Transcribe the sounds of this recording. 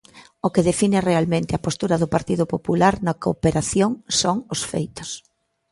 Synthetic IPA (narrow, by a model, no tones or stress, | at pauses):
okeðefinɪrealmẽnt̪ɪɐpost̪uɾɐðʊpaɾt̪iðʊpopulaɾnakopeɾaθjoŋsoŋosfḛjt̪ʊ̥s